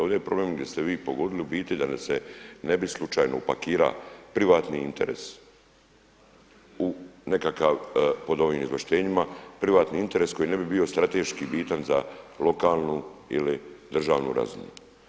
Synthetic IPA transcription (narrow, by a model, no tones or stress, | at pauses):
od̪eepɾo̞blemɡd̪ʲjest̪eʋiːpoɡo̞d̪iliubiːt̪id̪anasene̞bislˠut͡ʃaːjnoupa̰kiːɾa̰pɾiʋaːt̪niint̪e̞̰ɾe̞̰s | une̞kakaʋpo̞d̪o̞ʋiːmizʋeʃt̪e̞ːɲimapɾiʋaːt̪niint̪e̞ɾesko̞jiːne̞bibio̞st̪ɾat̪eʃkibiːt̪anzalo̞kaːlˠnuḭlid̪r̩ʒaːʋnṵɾa̰zṵmjṵ